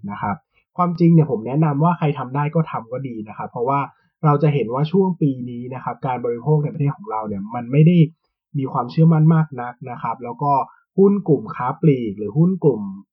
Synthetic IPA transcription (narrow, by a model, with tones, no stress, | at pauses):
na˦˥kʰa˦˥p̚ | kʰwaː˧mt͡ɕi˧ŋni˧˩pʰo˩˦mnɛ˦˥na˧mwaː˥˩kʰa˧jt̪ʰa˧mdaː˥˩jkɔː˥˩t̪ʰa˧mkɔː˥˩diː˧na˦˥kʰa˦˥pʰɾɔ˦˥waː˥˩ | ɾa˧wt͡ɕa˨˩ʔɦe˩˦nwaː˥˩t͡ɕʰu˥˩əŋpiː˧niː˦˥na˦˥kʰa˦˥p̚kaː˧nbɔː˧ɾi˧pʰoː˥˩k̚na˧pa˧t̪ʰeː˥˩ɔː˩˦ŋɾa˧wni˥˩ɐma˧nma˥˩jda˥˩j | miː˧kʰwaː˧mt͡ɕʰɯ˥˩ɐma˥˩nmaː˥˩k̚na˦˥k̚na˦˥kʰa˦˥p̚lɛː˦˥wkɔː˥˩ | hu˥˩nklu˨˩mkʰaː˦˥pliː˨˩k̚lɯː˩˦ɦu˥˩nklu˨˩m